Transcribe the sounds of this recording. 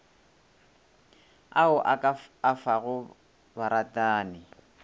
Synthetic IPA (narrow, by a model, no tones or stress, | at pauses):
aʊʔaaafaɣʊ | baɾatʼaːnɪ